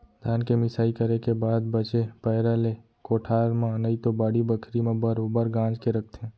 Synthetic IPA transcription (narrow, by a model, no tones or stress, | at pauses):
d̪ʱaːnkemɪsaːikəɾekebaːd̪bət͡ʃepəɦɾale | koːʈʰaːɾmãənəit̪obaːɽibəkʰɾimẽbəɾoːbəɾɡãːd͡ʒkeɾək̚ʰt̪ʰe